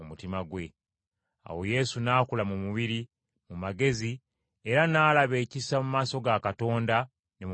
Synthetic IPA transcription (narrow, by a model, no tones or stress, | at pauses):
omutimaɡwe̞ | a̰wo̞je̞sunaːkulamumuβiɾi | mumaɡe̞zi | e̞ɾanaːlaβe̞ːcisamumaːso̞ɡakato̞ːnda | nem